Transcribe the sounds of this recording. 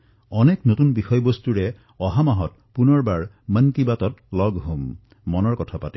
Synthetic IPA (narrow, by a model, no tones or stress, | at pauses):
ɔneknotunbixɔjbostuɹɛ | ɔɦamaɦɔt̚ | punɔɹbaɹ | mənkibatɔtlɔɡɦomː | ɔnɔɹkɔtʰapati